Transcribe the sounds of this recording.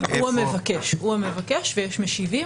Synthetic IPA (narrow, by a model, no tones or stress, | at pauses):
uamevakeʃhuamevakeʃvejeʃmeʃivi